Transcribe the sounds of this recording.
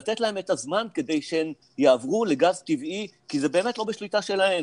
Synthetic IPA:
lat̪et̪lahe̞met̪azmanke̞d̪e̞jʃeen | jaːvʁule̞ɡazt̪ivikizebe̞ːme̞tlo̞beʃlit̪aʃe̞lahe̞m

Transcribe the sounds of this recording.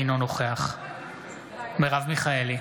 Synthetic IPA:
no̞noχeaχ | meʁavmiχaeli

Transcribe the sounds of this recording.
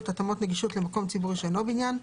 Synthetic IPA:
t̪at̪amot̪neɡiʃotlemakomt͡sibuʁiʃeenobinjan

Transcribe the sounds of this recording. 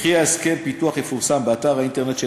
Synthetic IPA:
χiaeskempituaχjefuʁsambeataʁhainteʁnet̪ʃe

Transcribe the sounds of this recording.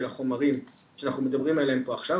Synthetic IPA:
elaχo̞maʁim | ʃeanaχnumed̪abʁimeeleempo̞aχʃa

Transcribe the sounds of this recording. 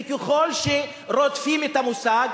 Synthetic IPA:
keχo̞lʃe | ɾot̪fimet̪amusaɡ

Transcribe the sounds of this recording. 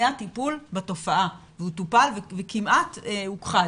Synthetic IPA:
jatipulbato̞faʔa | veutupalvevekimʔatehukχa

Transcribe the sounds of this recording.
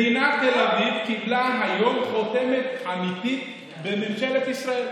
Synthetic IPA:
inakd̪elavidkiblaɦajomχot̪emet̪ʔamit̪it̪ | bememʃelet̪isʁael

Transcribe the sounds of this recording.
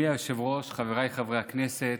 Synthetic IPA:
iajʃevʁo̞ʃχaveʁajχavʁejakneset

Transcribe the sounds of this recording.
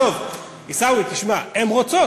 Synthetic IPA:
ov | isawit̪iʃmaemʁot͡so

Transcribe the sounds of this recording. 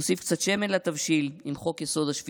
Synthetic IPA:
osifkt͡sat̪ʃe̞menlat̪avʃilimχo̞kjeso̞d̪aʃvi

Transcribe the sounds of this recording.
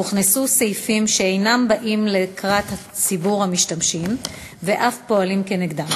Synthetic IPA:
uχnesusejfimʃeejnambaʔimle̞kʁat̪ha | t͡sibuʁhamiʃtamʃim | ve̞ʔafpo̞alimkeneɡd̪am

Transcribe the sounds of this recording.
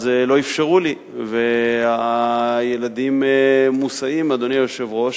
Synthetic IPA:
zelo̞ifʃeʁuli | veajelad̪immːusaimad̪o̞niajoʃe̞vʁo̞ʃ

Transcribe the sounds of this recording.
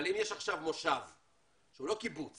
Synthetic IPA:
limjeʃaχʃavmo̞ʃav | ʃeulo̞kibut͡s

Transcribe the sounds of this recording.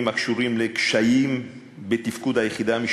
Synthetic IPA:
makʃuʁimlekʃajim | bet̪ifkud̪hajeχidaːmi

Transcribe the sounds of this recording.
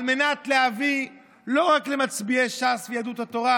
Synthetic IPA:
lme̞nat̪leavi | lo̞ʁaklemat͡sbieʃasvejad̪ut̪hat̪o̞ʁa

